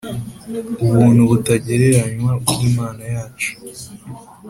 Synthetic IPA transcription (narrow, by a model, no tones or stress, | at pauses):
uβuːnhuβutaɟe̞ɾe̞ɾaɲwabɡiːmaːnajaːt͡ʃu̥